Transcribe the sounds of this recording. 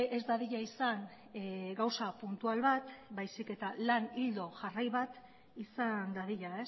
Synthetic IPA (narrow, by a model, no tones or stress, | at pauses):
ʔezd̪aðiʎaisan | ɡawsapunt̪ualβat̪bajsike̞t̪alanild̪o̞ʝarajβat̪ | isand̪aðiʎae̞s